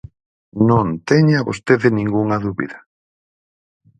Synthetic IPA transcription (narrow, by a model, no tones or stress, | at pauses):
nõnt̪eɲaβo̰st̪eðɪnĩŋɡuŋɐðuβḭðɐ